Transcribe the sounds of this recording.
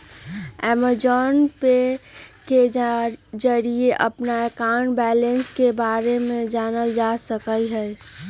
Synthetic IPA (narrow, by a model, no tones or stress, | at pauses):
ɛːməd͡ʒɔːnpeke | d͡ʒəɾieʔəpnaekaːnbɛːlẽnskebaːɾemẽd͡ʒaːnəld͡ʒaːsəkəlɦɛː